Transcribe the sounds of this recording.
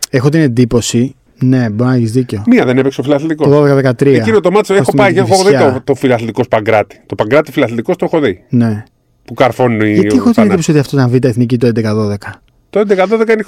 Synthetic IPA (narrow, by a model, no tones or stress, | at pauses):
e̞xo̞t̪ine̞nd̪ipo̞si | ne̞boɾinɐeçizðiceo̞miɐðenepeksofilɐθlit̪ikooðoðekɐðekɐt̪ɾieɐinot̪omɐt̪sesxopɐieexooðiɐot̪o̞filɐθlit̪iko̞spɐŋɡɾɐt̪i̥t̪o̞pɐŋɡɾɐt̪ifilɐθlit̪ikost̪oxoðine̞ | pukɐɾfo̞nuniexot̪iend̪iposiot̪iɐft̪ot̪ɐɱvit̪ɐeθnicit̪oend̪ekɐðo̞ðe̞kɐ | t̪oend̪ekɐðoðekɐine